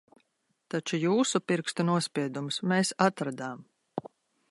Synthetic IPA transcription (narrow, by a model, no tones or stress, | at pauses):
t̪at͡ʃujuːsupiɾkst̪unuɔspʲiɛd̪umsmeːsat̪ɾad̪aːm